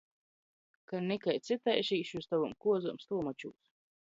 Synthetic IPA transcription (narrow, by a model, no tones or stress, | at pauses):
kaɾnikajt̪sʲɨt̪ajʃiːʃust̪avumkuɔzumst̪ulmat͡ʃṵːs